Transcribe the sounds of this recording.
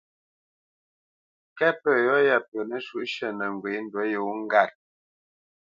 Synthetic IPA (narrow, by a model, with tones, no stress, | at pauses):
kɛ˦pə˨jɔ˦ja˨pə˨nə˦ʃu˦ʔʃə˦˨nə˨ŋ˨ɡwe˨˦n̩˦dwə˨˦jo˨˦ŋ̩˦ɡa˦˨t̚